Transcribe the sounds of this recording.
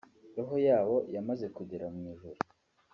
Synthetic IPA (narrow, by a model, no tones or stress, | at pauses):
ɾoɦojaːβo̞jamaze̞kuɟeɾamɲiːʒuɾu